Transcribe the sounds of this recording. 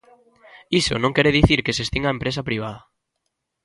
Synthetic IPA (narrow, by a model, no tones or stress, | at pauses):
iso̰nõŋkeɾeðiθiɾkesest̪iŋaempɾes̬apɾiβ̞aðɐ